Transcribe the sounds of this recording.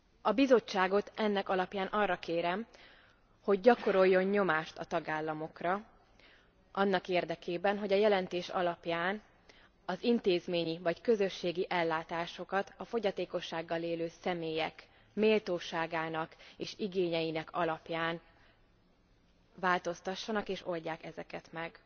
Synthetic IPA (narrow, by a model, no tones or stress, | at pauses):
ɒbizo̞t͡ʃːaːɡo̞t̪ɛnːɛkɒlɒpjaːnʔɒrːɒkeːɾɛm | ho̞ɟ̚ːɒko̞ɾo̞jːo̞ɲɲo̞maːʃt̪ɒt̪ɒɡaːlːɒmo̞krɒ | ʔɒnːɒkeːrd̪ɛkeːbɛnɦo̞ɟɒjɛlɛnt̪eːʃɒ̰lɒpjaːn | ɒzint̪eːzmeːɲivɒckø̞zø̞ʃːeːɡiʔɛlːaːt̪aːʃo̞kɒt̪ɒfo̞ɟɒt̪eːko̞ʃːaːɡːɒleːløːsɛmeːjɛk | meːlt̪oːʃaːɡaːnɒkeːʃiɡeːɲɛjinɛkʰɒlɒpjaːn | vaːlt̪o̞st̪ɒʃːɒnɒkeːʃo̞lɟaːkɛzɛkɛt̪mɛɡ